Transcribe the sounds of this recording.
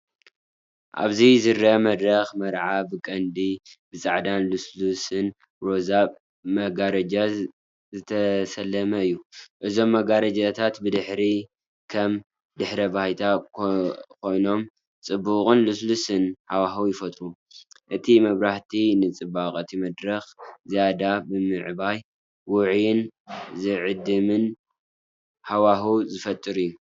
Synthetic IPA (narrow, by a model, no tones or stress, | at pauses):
ʔa̰βzizɨɾɐmɐd̪ɾɐxmɐɾʕabɨkʼɐnd̪ibɨt͡sʼaʕd̪anluslusɨn | ɾo̞zaβ | mɐɡaɾɐd͡ʒa | zɨt̪ʰɐsɐlːɐmɐɨjːuʔɨzo̞mːɐɡaɾɐd͡ʒat̪ʰat̪bɨd̪ɨħɾi | kʰɐm | d̪ɨħɾɐbahjt̪ʰa | kʰo̞jno̞m | t͡sʼɨbːukʼɨnluslusɨnħawaɦuwjɪfɐt̪ʼɾu | ʔɨt̪ʰimɐβɾaħt̪ʰinɨt͡sʼɨbakʼɨt̪ʰimɐd̪ɾɐxzijad̪abɨmɨʕbaj | wʊʕjɪnzɨʕɨd̪ɨmɨn | hawaɦuzɨfɐt̪ʼːɨɾɨjːu